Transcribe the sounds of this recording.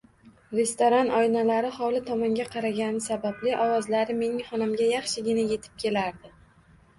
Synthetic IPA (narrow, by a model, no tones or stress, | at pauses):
ɾest̪oɾanɒjnalaɾɪχɒlɪt̪ʰɒmɒŋɡʲaqʰɑɾaɡʲanɪsabablɪʔɒwɒzlaɾɪme̞nɪŋχɒnamɡʲajɑχʃɪɡʲɪnaje̞t̪ʰɪ̥p̚kʲʰe̞laɾd̪ɪ